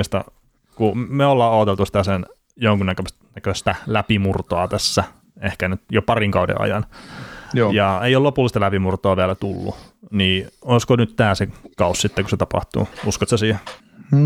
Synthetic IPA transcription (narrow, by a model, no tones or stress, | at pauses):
st̪ɑ̰ | kumeolːɑːoːt̪elt̪usi̥t̪æsen | joŋkunnækø | nækøst̪ælæpimurt̪oɑt̪æsːæ | ehkænyt̪jopɑriŋkɑudḛɑ̰jɑ̰n | jɑeiollopulːˑist̪ɑlæpimurt̪oɑʋiælæt̪ulːṵniːoiskonyt̪t̪æːsekɑussit̪ːekuset̪ɑpɑ̰ht̪ṵːuskot̪sæsiːhe